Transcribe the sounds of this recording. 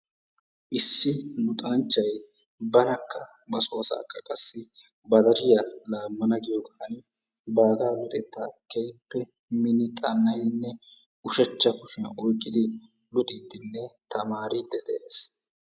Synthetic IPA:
ʔɪsːɪnʊt̪ʼɐnt͡ʃːɐj | bɐnɐkʰːɐ | bɐsoːɐsa̰ːkːɐkʼɐsːɪ | bɐd̪ɐɾɪjɐlaːmːɐnɐɡɪjoɡɐɐnɪ | baːɡaːlʊt̪ʼɛt̪ːaːkɛɪpːɛ | mɪnɪt̪ʼɐnːɐjɪnːɛ | ʔʊʃɛt͡ʃːɐkʊʃɪnɔjkʼːɪd̪ɪ | lʊt̪ʼɪd̪ːɪnːɛt̪ɐmaːɾɪd̪ːɛd̪ɛʔeːs

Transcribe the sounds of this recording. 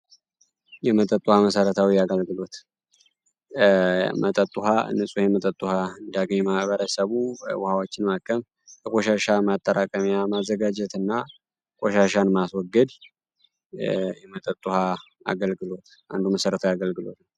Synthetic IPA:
jɛmət̪ʼət̪ʼːuhaməsəɾət̪ʰawiaɡəlɡɨlo̞t̪ | mət̪ʼət̪ʼːuɦaɨ̰nːɨsʼujɛmət̪ʼət̪ʼːuhaɨnd̪aɡəɲːmahβəɾəsəβuwʊhawot͡ʃːɪnmakʰːəm | bəkʼoʃaʃamat̪ʼːəɾakʼəmijamazːəɡad͡ʒɛt̪ɨnːa | kʼoʃaʃanmaswɔɡːəd̪ | jɛmət̪ʼət̪ʼːuha | a̰ɡəlɡɨlo̞t̪ | a̰nd̪uməsəɾət̪ʰəjaɡəlɡɨlo̞̰t̪n

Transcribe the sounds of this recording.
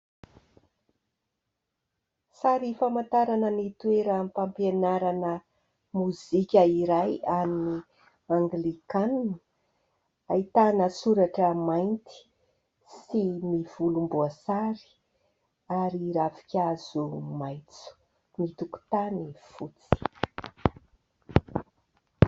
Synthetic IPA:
saɾifamant̪aɾanənit̪ueɾəmpampenaɾanə | muzikʲəiɾajamni | aŋɡlikanni̥ | ait̪anəsuɾaʈ͡ʂəmajnt̪i̥ | simiv̥ulumbuasaɾi̥ | aɾiɾavi̥kʲaz̥umajt͡su̥ | mit̪uku̥t̪anifut͡si̥

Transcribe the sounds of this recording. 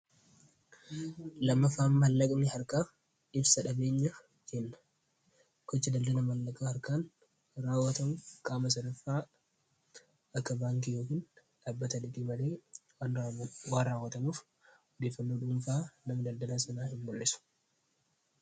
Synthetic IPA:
lɐmːɐfaːmːɐlːɐkʼnɪhɐɾkaː | ɪbsɐᶑɐbe̞ːɲːɐ | d͡ʒɛnːɐ̥ | kɔt͡ʃːɐd̪ɐld̪ɐlɐmɐlːɐkʼaːhɐɾkaːn | raːwːɐt̪ɐmuːfkʼaːmɐs̬ɐd̪ɐfːaː | ɐkːɐbaːŋkijoːkiːn | ᶑaːbːɐt̪ɐdɪdiːmɐle̞ː | waːnraːwːɐt̪ɐmuːf | ɔd̪e̞ːfːɐnːoːᶑʊmfaːnɐmɐd̪ɐld̪ɐlasɐnaːhɪmbʊlːɪsʊ̥

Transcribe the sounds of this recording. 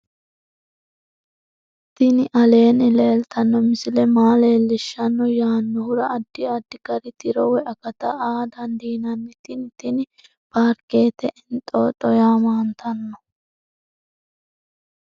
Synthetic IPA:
t̪ɪnɪʔɐle̞ːnɪle̞ːlt̪ʰɐnːɔmɪsɪlɛmaːle̞ːlːɪʃːɐnːɔjaːnːɔhʊɾɐɐd̪ːɪɐd̪ːɪkɐɾɪt̪ɪɾɔwɛʔɐkɐt̪ɐaːd̪ɐnd̪iːnɐnːɪt̪ɪnt̪ɪnɪ | b̥aːɾke̞ːt̪ɛʔɪnt̪ʼːoːᶑʼɔjaːmaːnt̪ʰɐnːɔ

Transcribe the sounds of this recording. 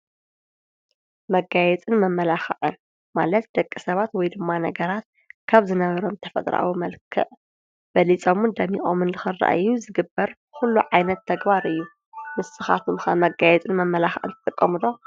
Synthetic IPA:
mɐɡajɛt͡sʼɨnmɐmːɐlaxɐ̰ʕɨn | malɐt̪̚d̪ɐkʼːɨsɐβat̪wɔjd̪ɨmːanɐɡɐɾat̪̚ | kʰaβzɨnɐβɐɾo̞mt̪ʰɐfɐ̰t̪ʼɾa̰wumɐlkʰɨ̰ʔ | b̥ɐlit͡sʼomɨnd̪ɐmixʼomɨnlɨxɨrːa̰ʔɨjːuzɨɡɨbːɐɾ | xulːuʕajnɐt̪ʰːɐɡbaɾɨjːu | mɨsɨxa̰t̪ʰumxamɐɡajɛt͡sʼɨnmɐmːɐlaxʕɨ̰nt̪ɨt̪ʼɨkʼːɐmɨd̪o̞

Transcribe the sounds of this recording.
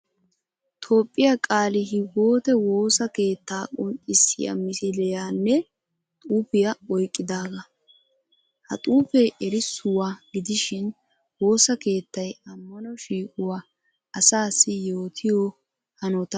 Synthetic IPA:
t̪ʰo̞ːpʼːɪjɐkʼaːlɪɦɪɡo̞ːt̪ɛwo̞ːsɐke̞ːt̪ːaːkʼʊntʼːɪsːɪ̰jɐ̰mɪsɪlɛjaːnːɛ | t̪ʼuːpɪjɐɔjkʼːɪd̪aːɡɐ | hɐ̰t̪ʼuːfɛʔɛɾɪsʊwaɡɪd̪ɪʃɪn | wo̞ːsɐke̞ːt̪ːɐjɐmːɐnɔʃiːkʼʊwa | ɐsaːsɪjo̞ːt̪ʰɪjɔ | hɐnɔt̪ɐ

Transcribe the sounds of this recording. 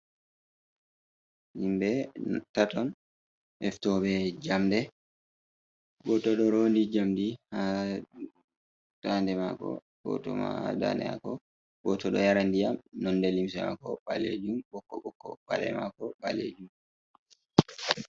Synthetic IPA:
himbɛtatɔn | ʔɛftɔɓɛd͡ʒamdɛ | ɡɔtɔɗɔɾondid͡ʒamdiha | d̥andɛma̰kɔ̰ | ɡɔ̰tɔma̰ada̰ndɛ̰ma̰kɔ | ɡɔtɔɗɔjaɾandijamnɔnːdɛlims̬ɛma̰kɔɓalḛd͡ʒumbɔkːɔɓɔkːɔba̰lɛ̰makɔɓalḛd͡ʒum

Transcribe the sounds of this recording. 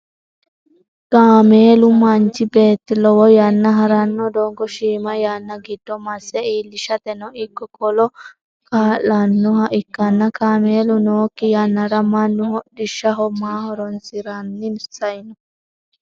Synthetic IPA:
kaːmeːlʊmɐnt͡ʃɪbeːt̪ːɪlɔwɔjɐnːɐɦɐɾɐnːɔd̪ɔŋɡɔʃiːmɐjanːɐɡɪd̪̥ːɔmɐsɛiːlːɪʃɐt̪ɛnɔɪkːɔkɔlɔ | kaːʔɐnːɔhɐʔɪkːɐnːɐkaːmeːlʊnoːkːɪjɐnːɐɾɐmɐnːʊhɔdɪʃːɐɦɔmaːhɔɾɔnsɪɾɐnːɪnsɐjnɔ

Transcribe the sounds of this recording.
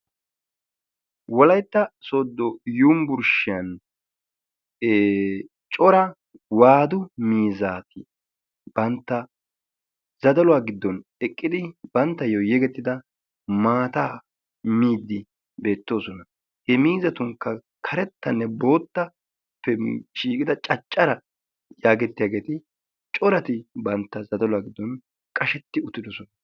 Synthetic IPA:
wɔlɐjt̪ːɐsoːd̪ːɔjuːmbʊɾʃɪjɐn | t͡ʃʼɔɾɐ | waːd̪ʊmiːzaːt̪ɪ | b̥ɐnt̪ːɐ | z̥ɐd̪ɐlʊwaːɡɪd̪ːɔnɛkʼːɪd̪ɪb̥ɐnt̪ːɐjɔjɛɡɛt̪ːɪd̪ɐ | maːt̪aː | miːd̪ːɪ | be̞ːt̪ːo̞ːsɔnɐ | hɛmiːzɐt̪ʊŋkːɐ | kʰɐɾɛt̪ːɐnːɛbo̞ːt̪ːɐ | pːɛʃiːkʼɪd̪ɐt͡ʃʼɐt͡ʃʼːɐɾɐ | jaːɡɛt̪ːɪjaːɡe̞ːt̪ɪ | t͡ʃʼɔɾɐt̪ɪbɐnt̪ːɐzɐd̪ɐlʊwaːɡɪd̪ːɔn | kʼɐʃɛt̪ːɪʊt̪ːɪd̪ɔsɔnɐ

